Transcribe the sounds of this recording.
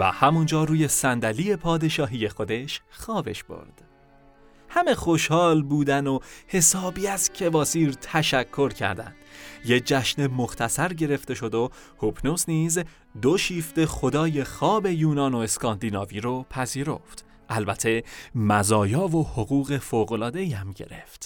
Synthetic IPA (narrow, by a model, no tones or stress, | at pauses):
væ̰hæmund͡ʒɒːruːje̞sænd̪æliːje̞pʰɒːd̪e̞ʃɒːɦije̞xo̞d̪e̞ʃxɒːbe̞̰ʃb̥o̰ɾd̪̥ | hæme̞xo̞ʃhɒːlbuːd̪ænohe̞sɒːbiːæscʰe̞vɒːsiːɾt̪ʰæʃækʰːo̞ɾcʰæ̰ɾd̪æ̰nd̪̥jed͡ʒæʃnemoχt̪ʰæsæɾɟe̞ɾe̞ft̪e̞ʃo̞d̪o | hopʰnosniːz | d̪oʃiːft̪e̞xo̞d̪ɒːje̞xɒːbe̞juːnɒːno̞e̞skʰɒːnd̪iːnɒːviɾopʰæziːɾo̞̰ft̪ | ʔælbæt̪ʰe̞mæzɒːjɒːvohoɣuːɣe̞foːɣo̞lɒːd̪e̞jæmɟe̞̰ɾe̞̰ft̪